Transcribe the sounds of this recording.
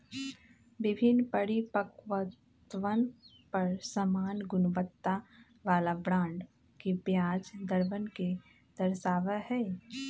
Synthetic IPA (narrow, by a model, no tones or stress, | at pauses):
bɪbʱɪnːpəɾipəkʋə | t̪ʋən | pəɾsəmaːnɡʊnʋət̪ːa | ʋaːlabɾãːɳɖ | kibjaːd͡ʒd̪əɾʋənke | d̪̥əɾsaːʋəhɛː